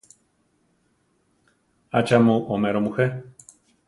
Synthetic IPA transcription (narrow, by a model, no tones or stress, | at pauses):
at͡ʃamoʔomeɾomuhe